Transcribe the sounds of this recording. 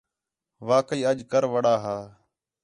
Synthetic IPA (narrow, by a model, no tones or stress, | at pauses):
ʋaːkiːəʄkəɾʋəɽaːɦaː